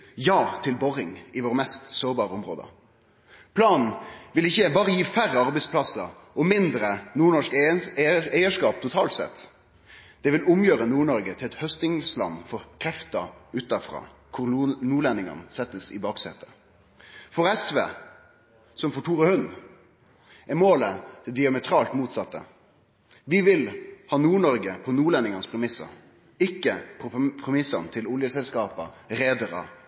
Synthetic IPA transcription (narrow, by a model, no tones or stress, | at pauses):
jɑːt̪ʰɪlbɔʁɪŋɪʋoːʁəmɛst̪soːʁbɑːʁəɔmʁo̰ːd̪ə̰ | pʰlɑːnn̩ʋɪlɪçːəbɑːʁəjiːfæʁəɑɾbɛɪspʰlɑsə | ɔmɪnd̪ɾənuːɳɔʂk | æɪəʂkɑːp̚t̪ʰʊt̪ʰɑːlt̪sɛ̰t̪ː | d̪̥ɛʋɪlʊmjøːɾənuːɳɔɾɡət̪ʰɪlɛt̪hœst̪ɪŋslɑ̰nːfɔʁkʰɾɛft̪əʉːt̪ɑfʁɑ̰ːkʰʊɾnuːɭɛnɪŋɑ̰nsɛt̪ːəsɪ̰bɑːksɛt̪ʰːə | fɔɾɛsʋḛː | sɔmfɔʈʰuːɾəhʉn | ʔɛmoːləd̪̥ʰɛd̪ɪɑmɛt̪ʰɾɑːlt̪muːt̪sɑt̪ːə̰ | ʋɪʋɪlhɑːnuːɳɔɾɡəpʰɔnuːɭɛnɪŋɑnspʰɾɛmɪsːə̰ɾ | ɪkːəpʰɔpʰɾɛmɪsːɑnt̪ʰɪlʊljəsɛlskɑːpəɾeːd̪əɾə̰